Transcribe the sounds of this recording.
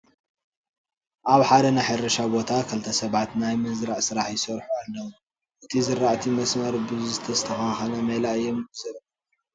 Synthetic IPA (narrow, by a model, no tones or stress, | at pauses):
ʔaβħad̪ɐnajħɐɾɐʃabo̞t̪ʰakʰɨlt̪ʰɐsɐβat̪najmɨzɾaʕsɨɾaħjɪsɐɾħualːɐw | ʔɨt̪ʰizɨɾːaʔt̪ʰimɐsmɐɾbɨzzɨt̪ʰɐzɨt̪ʰɐxɐnxɐnɐmɐlaɨjːomɡɨzɐɾ